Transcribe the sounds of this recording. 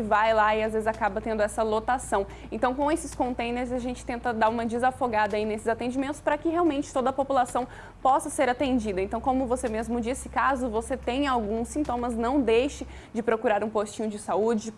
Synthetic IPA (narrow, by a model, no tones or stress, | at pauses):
vajlaɪazvezɪzakabɐt̪ẽnd̪ʊɛsɐlot̪asɐ̃w̃ | ẽnt̪ɐ̃w̃kõw̃esɪskõnt̪ẽj̃neɾzaʒẽnt͡ʃɪ̥t̪ẽnt̪ɐd̪aɾũmɐd͡ʒɪzafoɡad̪ɐainesɪzat̪ẽd͡ʒimẽnt̪ʊspɾɐkɪɦeawmẽnt͡ʃɪ̥t̪od̪ɐpopulasɐ̃w̃ | pɔsɐseɾat̪ẽnd͡ʒid̪ɐẽnt̪ɐ̃w̃kõmʊvosemezmʊd͡ʒisɪ̥kazʊvoset̪ẽj̃awɡũsĩnt̪õmɐznɐ̃w̃d̪ejʃɪ | d͡ʒɪpɾokuɾaɾũpost͡ʃĩɲʊd͡ʒɪsaud͡ʒɪɪ